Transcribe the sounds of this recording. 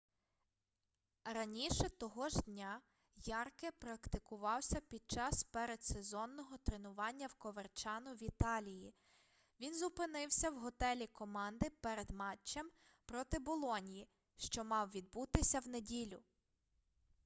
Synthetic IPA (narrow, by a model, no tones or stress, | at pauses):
rɐnʲiʃɛt̪ɔɦɔʒd̪ʲnʲa | jɑrkɛpɾɐkt̪ɪkʊʋɑwsʲɐpʲid̪̚t͡ʃɑspɛɾed̪sezɔnːɔɦɔt̪ɾenʊʋɑnʲːɐwkɔʋert͡ʃɑnʊʋʲit̪ɑlʲiji | ʋʲinzʊpɪnɪwsʲɐwɦɔt̪ɛlʲikɔmɑnd̪ɪpɛɾed̪mɑt͡ʃːɐm | pɾɔt̪ɪbɔlˠɔnʲiji | ʃt͡ʃɔmɑwʋʲid̪̚but̪ɪsʲɐwnedʲilʲʊ